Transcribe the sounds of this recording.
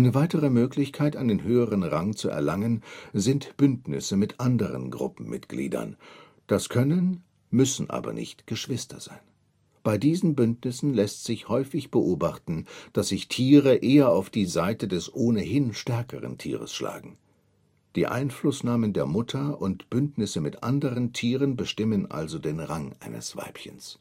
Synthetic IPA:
ʔaɪnəvaɪtəʁəmøːklɪçkʰaɪtandenɦøːəʁənʁaŋt͡suʔɛ̰ɐlaŋənzɪntb̥ʏntnɪ̰səmɪtʔandəʁə̰nɡʁʊ̰pm̩mɪ̰tɡ̥lḭːdɐ̰n | d̥askʰœnən | mʏsn̩ʔa̰ːbɐ̰nɪ̰çtɡ̥əʃv̥ɪstɐ̰z̥a̰ɪn | b̥aɪdiːzn̩bʏntnɪsn̩lɛstz̥ɪçhɔʏfɪçb̥əʔoːbaχtn̩d̥asz̥ɪçtʰiːʁəʔeːɐaʊfd̥iːzaɪtədɛsʔoːnəhɪnʃtɛɐkəʁə̰ntʰḭːʁə̰sʃla̰ːɡŋ̩ | d̥ḭːʔa̰ɪnflʊsnaːməndeːɐmʊtʰɐʔʊntb̥ʏntnɪsəmɪtʔa̰ndəʁəntʰiːʁənbəʃtɪmənʔa̰lzodeːnʁaŋʔaɪnə̰sv̥a̰ɪpçəns

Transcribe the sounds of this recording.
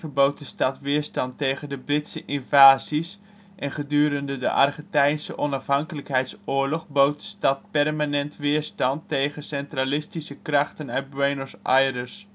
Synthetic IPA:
vəɹbowt̚dəstɑtʋɪːɹstɑntːejɣəndəbrɪtsəʔɪnvaːzis | ʔɛnχədyːɾəndədə̰ʔɑ̰rχəntɛjnsəʔɔnɑfɦɑŋkələkɦɛjtsʊːɹlɔχbowt̚də̥stɑt̚pɛrmanɛntʋɪːɹstɑntːejɣənsɛntralɪstisəkrɑχtənœɥ̚bɹejnɔsʔajrəs

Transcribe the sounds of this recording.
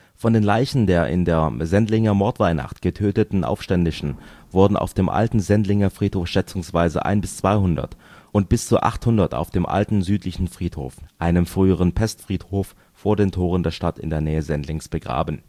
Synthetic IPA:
fɔndeːnlaɪçn̩deːɐʔɪ̰ndeːɐzɛndlɪŋɐmɔɐtv̥aɪna̰χtɡ̥ətʰøːtətn̩ʔa̰ʊfʃtɛndɪʃn̩vʊɐdn̩ʔa̰ʊfd̥eːmʔa̰ltn̩zɛndlɪŋɐfʁ̥iːthoːfʃɛt͡sʊŋsv̥aɪzə̰ʔa̰ɪnbɪst͡sv̥aɪɦʊndɐ̰tʔʊnt̚b̥ɪst͡suːɐʔa̰χthʊndɐta̰ʊfd̥eːmʔa̰ltn̩zyːtlɪçn̩fʁ̥iːtho̰ːfʔaɪnəmfʁ̥yːəʁ̞ənpʰɛstfʁ̥iːthoːfː | oːɐdeːntʰoːʁəndeːɐʃtatɪ̰ndeːɐnɛːəzɛndlɪŋsb̥əɡʁa̰ːbən̩

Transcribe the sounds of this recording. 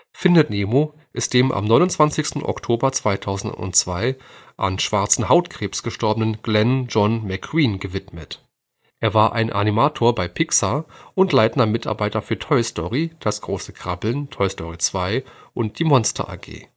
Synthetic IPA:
fɪndətneːmoː | ʔɪst̚d̥eːmʔa̰mnɔʏnʊnt͡sv̥ant͡sɪçstn̩ʔɔ̰ktʰoːbɐt͡sv̥aɪtʰaʊzn̩tʊ̰ntt͡sv̥aɪʔa̰nʃv̥aɐt͡sn̩haʊtkʁ̥eːpsɡ̥əʃtɔɐbənənɡ̥lɛnd͡ʒɔnmɛkʰʁwiːnɡəvɪtmət | ʔeːɐvaːɐʔa̰ɪnʔa̰nimaːtʰoːɐbaɪpʰɪksaʔʊntlaɪtn̩dɐmɪtʔa̰ɐbaɪtɐfyːɐtʰɔʏstɔʁid̥asɡ̥ʁoːsəkʁ̥abl̩ntʰɔʏstʰɔʁit͡sv̥aɪʔʊnt̚d̥iːmɔnstʰɐ̰ʔa̰ːɡḛː

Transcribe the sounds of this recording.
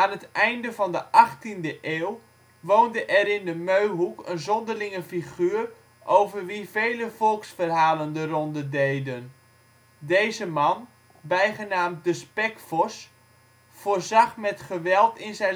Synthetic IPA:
aːnətɛjndəvɑndəʔɑχtindəʔeːlˠ | ʋoːndəʔɛɾɪndəmøɥɦukənzɔndərlɪŋəfiχyːr | ʔowvərʋivejləfɔlˠksfərɦaːləndərɔndədejdən | dejzəmɑn | bɛjχənaːmt̚dəspɛkfɔs | foːrzɑχmɛtχəʋɛlˠtɪnzɛ

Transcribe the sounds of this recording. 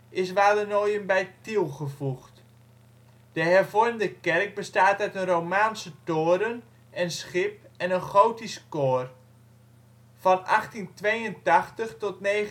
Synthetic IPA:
ɪs̬ʋaːdənoːjənbɛjtilˠχəvuxt | d̥əhɛrvɔrmdəkɛrk̚bəstaːtœɥtənrowmaːnsətoːɾən | ɛnsχɪp̚ɛnənχowtiskoːr | fɔnaχtintʋejəntaχtəχtɔtneː

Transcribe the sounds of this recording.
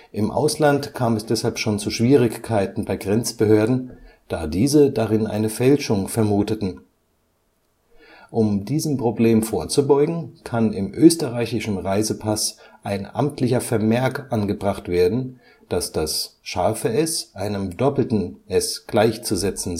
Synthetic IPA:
ʔɪmʔa̰ʊslantkʰaːmɛsd̥ɛshalpʃoːnt͡suʃv̥iːʁ̞ɪçkʰaɪtn̩baɪɡʁɛnt͡sb̥əhøːɐdn̩d̥aːdiːzədaʁɪnʔa̰ɪnəfɛlʃʊŋfɛɐmuːtətn̩ | ʔʊmdiːzəm̩pʁ̥obleːmfoːɐt͡subɔʏɡŋ̩kʰanɪmʔøːstəʁaɪçɪʃn̩ʁaɪzəpʰasʔaɪnʔa̰mtʰlɪçɐfɛɐmɛɐkʔanɡəbʁaχtv̥eːɐdn̩ | d̥asd̥asʃaɐfəʔɛsʔaɪnəmdɔpl̩tn̩ʔɛsɡ̥laɪçt͡suzɛt͡sn̩

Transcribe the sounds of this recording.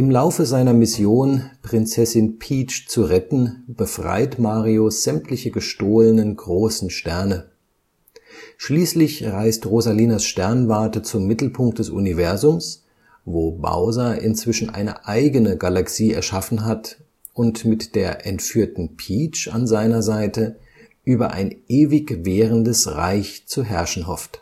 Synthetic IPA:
ʔɪmlaʊfəzaɪnɐmɪsjoːnpʁ̥ɪnt͡sɛsɪnpʰiːt͡ʃt͡suʁɛtn̩b̥əfʁ̥a̰ɪtmaːʁioz̥ɛmtlɪçəɡəʃtoːlənənɡʁoːsn̩ʃtɛɐnə | ʃliːslɪçʁaɪstʁozaliːnasʃtɛɐnvaɐtət͡sʊmːɪtl̩pʰʊŋk̚td̥ɛsʔṵnivɛɐzʊms | voːba̰ʊzaʔɪ̰nt͡sv̥ɪʃn̩ʔa̰ɪnə̰ʔaɪɡənəɡalaksiːɛ̰ɐʃafn̩ɦat | ʔʊntmɪtd̥eːɐʔɛntfyːɐtn̩pʰiːt͡ʃa̰nzaɪnɐzaɪtə | ʔyːbɐʔa̰ɪnʔeːvɪkveːʁəndəsʁa̰ɪçt͡suɦɛɐʃn̩ɦɔft

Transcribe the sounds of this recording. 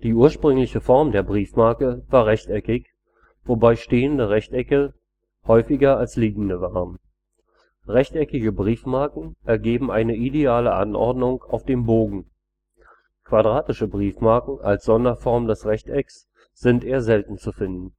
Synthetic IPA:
d̥iːuːɐʃpʁ̥ʏŋlɪçəfɔɐmdeːɐbʁiːfmaɐkəvaːɐʁɛçtɛkɪç | v̥obaɪʃteːəndəʁɛçtʔɛkə | hɔʏfɪɡɐalsliːɡŋ̩dəvaːʁən | ʁɛçtɛkɪɡəbʁiːfmaɐkŋ̩ʔɛɐɡeːbm̩ʔaɪnəʔideaːləʔa̰nʔɔ̰ɐdnʊŋkaʊfd̥eːmboːɡŋ̩ | kʰv̥adʁaːtɪʃəbʁiːfmaɐkŋ̩ʔa̰lsz̥ɔndɐfɔɐmdɛsʁɛçtʔɛks | z̥ɪntʔeːɐzɛltn̩t͡sufɪndn̩

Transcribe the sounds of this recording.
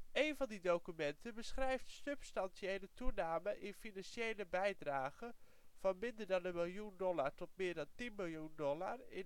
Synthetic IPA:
ʔejnvɑndidowkymɛntʰəbəsχrɛjftstøpstɑnsiejlətunaːməʔɪnfinɑnʃjejləbɛjdraːɣə | v̥ɑnmɪndərdɑnənmɪlˠjundɔlartɔt̚mɪːɹdɑntinmɪlˠjundɔlarɪ

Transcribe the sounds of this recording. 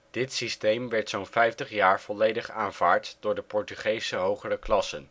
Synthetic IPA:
d̥ɪtsistejmʋɛɹtsownfɛjftəχjaːɹv̥ɔlejdəχaːnvaːɹtd̥ʊːɹdəpɔɹtyχejsəɦowχərəklɑsən

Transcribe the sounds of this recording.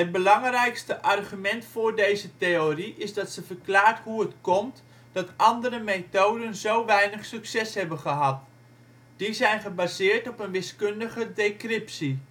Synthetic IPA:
ɦət̚bəlɑŋrɛjkstəʔɑrχymɛntfʊːrdejzəteoriʔɪzdɑtsəvərklaːrthuətkɔmt | d̥ɑtʔɑndəɾəmetowdənzowʋɛjnəχsyksɛshɛbənχəɦɑt̚ | d̥izɛjnχəbaːzɪːrtɔpənʋɪskøndəɣədekrɪpsi

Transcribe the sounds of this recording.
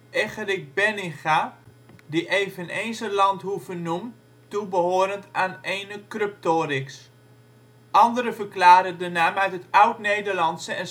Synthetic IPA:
ʔɛxərɪk̚bɛnɪnχa | diʔeːvəneːnzəlɑnthuvənum | tubəhoəɾəntaːneːnəkrøp̚toːɾɪks | ʔɑndəɾəvərklaːɾədənaːmœɥtətɔwtneːdərlɑntsəɛn

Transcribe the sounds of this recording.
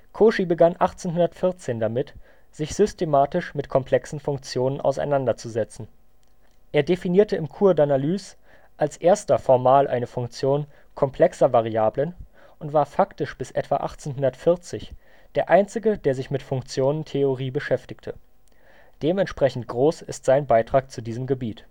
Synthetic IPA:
kʰoːʃibəɡanʔaχt͡senɦʊndɐtfɪɐt͡seːndamɪt | z̥ɪçz̥ʏstemaːtɪʃmɪtkʰɔmpʰl̥ɛksn̩fʊŋk̚t͡sjoːnənʔa̰ʊsa̰ɪnandɐt͡suzɛt͡sn̩ | ʔeːɐdefiniːɐtəɪmkʰuːɐdanalyːs | ʔalsʔeːɐstɐfɔɐmaːlʔa̰ɪnəfʊŋkt͡sjoːn | kʰɔmpʰl̥ɛksɐvaʁ̞iaːblən | ʔʊntv̥aːɐfaktɪʃb̥ɪsʔɛ̰tv̥a̰ʔa̰χt͡seːnɦʊndɐtfɪɐt͡sɪç | d̥eːɐʔaɪnt͡sɪɡədeːɐzɪçmɪtfʊŋkt͡sjoːnəntʰeoʁ̞iːbəʃɛftɪçtʰə | d̥eːmɛntʃpʁ̥ɛçn̩tɡ̥ʁoːsɪstz̥aɪnbaɪtʁ̥aːk̚t͡sudiːzəmɡəbiːt

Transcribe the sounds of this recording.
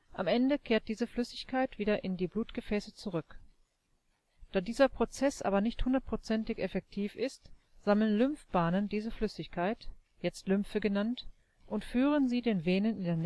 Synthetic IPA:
ʔamʔɛndəkʰeːɐt̚d̥iːzəflʏsɪçkʰaɪtv̥iːdɐʔɪndiːbluːtɡ̥əfɛːsət͡suʁʏk | d̥aːdiːzɐpʁ̥ot͡sɛsʔa̰ːbɐnɪçthʊndɐt̚pʁ̥ot͡sɛntɪçɛfɛk̚tʰiːfɪst | z̥aml̩nlʏmfb̥aːnəndiːzəflʏsɪçkʰaɪt | jɛt͡stlʏmfəɡənant | ʔʊntfyːʁ̞ənziːdeːnveːnənɪndeːɐn

